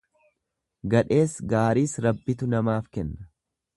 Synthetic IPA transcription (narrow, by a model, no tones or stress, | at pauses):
ɡɐᶑe̞ːsɡaːɾiːsɾɐbːɪt̪ʊnɐmaːfkɛnːɐ̥